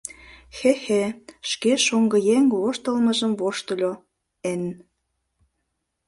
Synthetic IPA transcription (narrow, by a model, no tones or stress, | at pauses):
xeheʃkeʃoŋɡɤ̆jeŋβoʃt̪ə̆lmɤ̆ʒə̆mvoʃt̪ə̆lʲo | en